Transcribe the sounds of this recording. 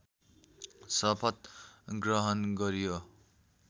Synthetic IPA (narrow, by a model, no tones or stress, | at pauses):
sʌpʰʌt̪ɡrʌɦʌnɡʌɾjo